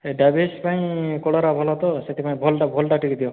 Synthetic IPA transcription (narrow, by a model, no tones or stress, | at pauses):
eɖabespaĩkɔɽɔɾabʱɔlɔt̪ɔset̪ʰipaĩbʱɔlɖabʱɔlʈaʈikid̪iɔ